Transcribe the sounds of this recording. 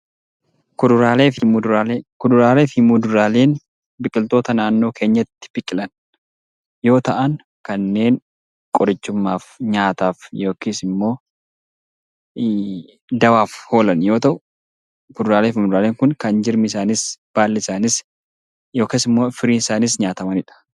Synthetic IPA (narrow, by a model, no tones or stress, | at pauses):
kʊd̪ʊɾaːleːfɪmuɾaːekʊd̪ʊɾaːle̞ːfɪmud̪ʊɾaːle̞ːn | bɪkʼːɪlt̪o̞ːt̪ɐnaːnːo̞ːkʰe̞ːɲːɐt̪ːɪ̥bɪkʼɪlɐn | jo̞ːt̪ɐʔɐn | kɐnːe̞ːn | kʼɔɾɐt͡ʃːʊmːaːfɲaːt̪aːfjo̞ːkeːsɪmːo̞ː | d̪ɐwaːfho̞ːlɐnjo̞ːt̪ɐʔʊ | kʊd̪ʊɾaːleːfɪmʊd̪ʊɾaːleːŋkʊnkɐnd͡ʒɪɾmɪɪsaːnɪsb̥aːlːɛɪsaːnɪs | joːkeːsɪmːo̞ːfɪɾiːnɪsaːnɪsɲaːt̪ɐmɐnɪᶑɐ̥